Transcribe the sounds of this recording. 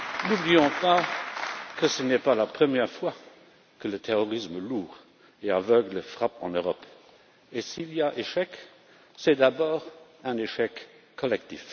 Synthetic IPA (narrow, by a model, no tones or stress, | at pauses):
nublijɔ̃pa | kəsənɛpalapχəmjɛʁfwa | kələt̪ʰeʁɔʁisməluːʁ | eavœɡləfʁapɑ̰̃nøʁɔp | esiliaʔeʃɛk | sɛd̪abɔːʁɛ̃neʃɛkʰː | ɔlɛkt̪ḭf